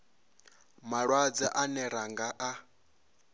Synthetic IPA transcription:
maɺwad͡zaʔanɛɾaŋɡaʔa

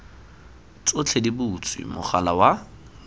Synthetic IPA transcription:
t͡sʼot͡ɬʰedibʊt͡sʰʼwḭmʊ̰χalawa

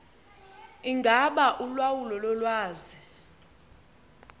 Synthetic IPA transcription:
iŋɡʱaɓaʔulwawulɔlɔlwaːzi

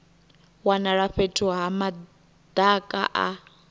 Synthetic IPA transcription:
wanaɺaɸɛtʼʰuɦama | d̪̥akʼa̰ʔa̰

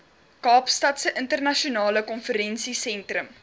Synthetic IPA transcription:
kɑːpstɐtsəʔəntərnɐʃiunɑːləkɔnfəɾɛnsisɛntrəm

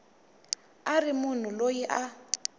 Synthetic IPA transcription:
arɪmʊn̤ʊlojiʔa

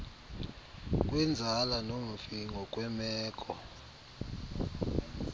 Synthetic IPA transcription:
k̬ʼwɛnd͡zʱalanom̩fiŋɡʱɔk̬ʼwɛmɛːkʼɔ

